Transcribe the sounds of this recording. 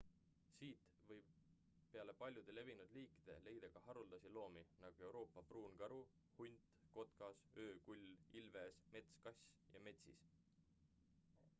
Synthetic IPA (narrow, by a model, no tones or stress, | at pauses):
siːt̪ | vɤjb | pe̞ɑle̞pɑlʲjud̪̥e̞le̞vinud̪liːkid̪̥e̞̰le̞jd̪̥ɑɡ̥ɑhɑɾuld̪̥ɑsilo̞ːminɑɡ̥ue̞wɾo̞ːpːˑɑpruːnɡ̥ɑɾu | hunʲt̪ko̞t̪kɑsø̞ːkulʲːilve̞ːsme̞t̪skɑsʲjɑ̰me̞t̪sḭs